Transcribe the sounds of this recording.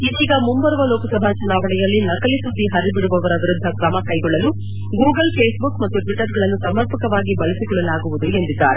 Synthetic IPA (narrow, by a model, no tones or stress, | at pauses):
id̪iːɡɐmumbɐɾʋɐloːkɐsɐbʱat͡ʃɐnaːʋɐɳɛjɐlːinɐkɐlisud̪ːiɦɐɾibiɽuʋɐʋɐɾɐʋiɾud̪ʱːɐkɾɐmɐkɐjɡɔɭːɐlu | ɡuːɡɐlpʰeːsbukmɐt̪ːuʈʋiʈːɐɾɡɐɭɐnːusɐmɐɾpɐkɐʋaːɡibɐlisikɔɭɐlaːɡuʋud̪ue̞nd̪id̪ːa̰ːɾe